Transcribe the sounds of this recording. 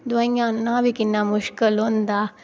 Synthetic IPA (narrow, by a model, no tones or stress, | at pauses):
d̪ʋaĩjãːnːãːbʱikɪnːãːmʊʃkəlɦoːnd̪aː